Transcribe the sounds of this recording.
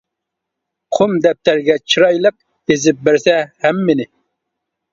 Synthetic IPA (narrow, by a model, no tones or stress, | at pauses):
qʰʊmd̪ɛp̚t̪ʰæɾɡʲɛt͡ʃʰiɾɑjlˠəq̚ | ezɪp̚bɪɾsɛhæmːɪnɪ